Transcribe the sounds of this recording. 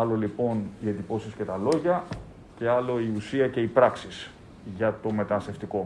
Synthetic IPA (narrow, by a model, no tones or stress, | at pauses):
ɐlo̞lipo̞nie̞nd̪ipo̞sisce̞t̪ɐlo̞ʝɐ | ce̞ɐlo̞iusiɐce̞ipɾɐksis | ʝɐt̪o̞me̞t̪ɐnɐst̪e̞ft̪iko̞